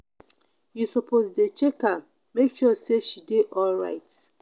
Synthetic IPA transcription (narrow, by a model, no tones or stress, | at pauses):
jusɔpʰozdet͡ʃeka | mekʃuseʃideʔɔlɹa̰ɪt